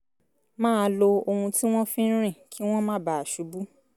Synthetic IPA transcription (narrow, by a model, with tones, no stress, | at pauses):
mãː˦˧lo˧o˧hũ˧ti˦w̃ɔ̃˦fĩ˦ɾ̃ĩ˦˨kʰi˦w̃ɔ̃˦mã˦˨ba˨a˨ʃu˨˦bu˦